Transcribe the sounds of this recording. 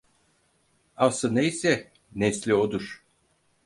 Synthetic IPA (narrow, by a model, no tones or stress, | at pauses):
asɯnejsɛ | neslʲiod̪uɾ̥